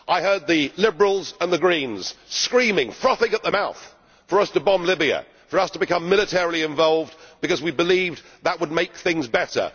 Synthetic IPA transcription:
ʔaɪhɜ˞d̪̚ðɨlɪbə˞l̩ˠzə̃nðɨɡɹĩnz̥skɹĩmɪ̃ŋfɹʌθɪ̃ŋəʔ̪̚ðəmaʊθ | fə˞ʌstəbɑ̃mlɪbiɨ̰ | fə˞ʌstʰəbɨkʌ̃mːɪlˠɨtʰɛɹl̩ˠiɨ̃ɱvɑlˠvdbɨkʌzwibɨliv | ðəʔ̚wəd̚meɪk̚θɪ̃ŋzbɛɾə̰˞

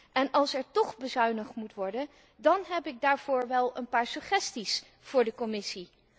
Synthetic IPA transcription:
ʔɛnɑlˠsɛɹtɔχbəzœɥnəχmutʋɔɹdən | dɑnɦɛpɪɡ̚daːɹv̥ʊːɹʋɛlˠənpaːɹsɵχɛstis | v̥ʊːɹdəkɔmɪsi

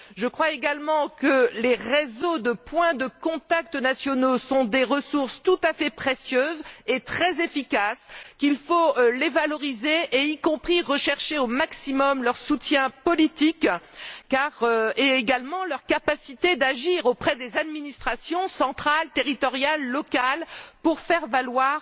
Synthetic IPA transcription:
ʒəkχwaeɡalmɑ̃kəleʁezod̪əpwɛ̃d̪əkɔ̃t̪ak̚t̪ənasjɔnosɔ̃d̪eʁəsuʁst̪ut̪afɛpχesjøːzet̪χɛzefikaskʲilfolevalɔʁizeʔeikɔ̃pχiʁəʃɛʁʃeomaksimɔmlœʁsut̪jɛ̃pɔlit̪ikkːaʁeeɡalmɑ̃lœʁkapasit̪ed̪aʒiʁopχɛd̪ezad̪minist̪χasjɔ̃sɑ̃t̪χalt̪eʁit̪ɔʁjalːɔkalpuʁfɛʁvalwaʁ

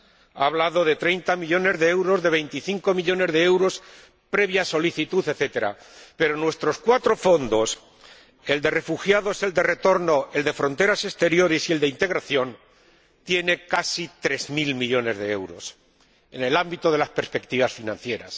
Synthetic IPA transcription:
a̰ːβlaðo̞ðe̞t̪ɾe̞jnt̪amiʎo̞ne̞zðeewɾo̞zðe̞β̞e̞jnt̪iθiŋko̞miʎo̞ne̞zðeewɾo̞s | pɾe̞βjaso̞liθit̪uθeθe̞t̪e̞ɾa̰ | pe̞ɾo̞nwe̞st̪ɾo̞skwat̪ɾo̞fo̞nd̪o̞s | e̞ld̪e̞re̞fuxjaðoese̞ld̪e̞re̞t̪o̞ɾno̞e̞ld̪e̞fɾõ̞nt̪e̞ɾase̞st̪e̞ɾjo̞ɾe̞sie̞ld̪e̞int̪e̞ɣɾaθjo̞n | t̪je̞ne̞kasit̪ɾe̞zmilmiʎo̞ne̞zðe̞e̞̰wɾo̞̰s | e̞ne̞lambit̪o̞ðe̞laspe̞ɾspe̞kt̪iβ̞asfinãn̟θje̞ɾa̰s

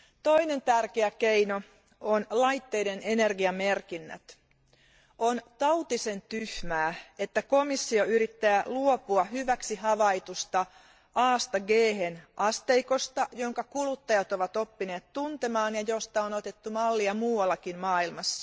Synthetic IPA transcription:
t̪oine̞nt̪ærkeækeino | onlɑjt̪ːeidenenerɡiɑmerkinːæ̰t̪ | ʔont̪ɑwt̪isent̪yhmæːet̪ːækomisːioyɾit̪ːæːluopuɑhyʋæksihɑʋɑit̪ust̪ɑ | ʔɑːst̪ɑɡeːhenʔɑst̪eiko̞st̪ɑjoŋkɑkulut̪ːɑjɑt̪oʋɑt̪opːine̞ːt̪t̪unt̪emɑːnjɑjost̪ɑonot̪et̪ːumɑlːiɑmuːwɑlːɑkinmɑːilmɑsːɑ̥

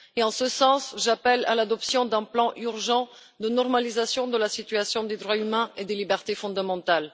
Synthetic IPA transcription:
eɑ̃səsɑ̃sʒapɛla̰lad̪ɔpsjɔ̃d̪ɛ̃plɑ̃ʔyʁʒɑ̃ | d̪ənɔʁmalizasjɔ̃d̪əlasit̪ɥasjɔ̃d̪ed̪ʁwaymɛ̃ed̪elibɛʁt̪efɔ̃d̪amɑ̃t̪al

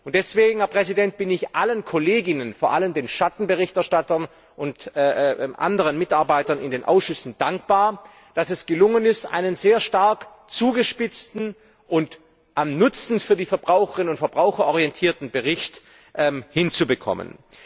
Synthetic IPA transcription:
ʔʊntd̥ɛsv̥eːɡŋ̩hɛɐpʁ̥ɛzidɛnt̚b̥ɪnɪçʔalənkʰɔleːɡɪnənfoːɐʔaləmdeːnʃatn̩bəʁɪçtɛɐʃtatɐn | ʔʊntː | ʔa̰ndəʁ̞ənmɪtaɐbaɪtɐnɪ̰ndeːnʔa̰ʊsʃʏsn̩d̥aŋk̚b̥aːɐ | d̥asɛsɡ̥əlʊŋənɪstʔa̰ɪnənzeːɐʃtaɐk | t͡suːɡəʃpɪt͡stn̩ | ʔʊnt | ʔamnʊt͡sn̩fyːɐdiːfɛɐbʁaʊxəʁɪnʊntfɐbʁaʊxɐʔɔʁiɛntʰiːɐtn̩bəʁɪçt | ʔɛmhɪnt͡subəkʰɔ̰mə̰n

